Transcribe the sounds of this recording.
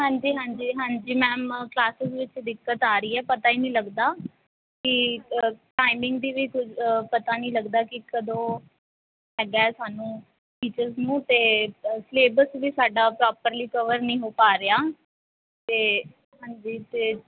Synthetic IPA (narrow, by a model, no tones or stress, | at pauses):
ɦãːɲd͡ʒiːɦãːɲd͡ʒiːɦãːɲd͡ʒiːmɛ̃ːmklaːsɪzʋɪt͡ʃd̪ɪkːət̪aːɾəiːɛːpət̪aːiːnĩːləɡd̪aː | kɪ | ʈaːɪmɪ̃ŋɡd̪iːʋiːkʊt͡ʃʰpət̪aːnəĩːləɡd̪aːkɪkəd̪õː | ɦɛːɡaːɛːsaːnũː | ʈiːt͡ʃəɾznũːt̪eːsleːbəsʋiːsaːɖaːpɾaːpəɾliːkəʋəɾnĩːɦoːpaːɾəaː | t̪eː | ɦãːɲd͡ʒiːt̪eː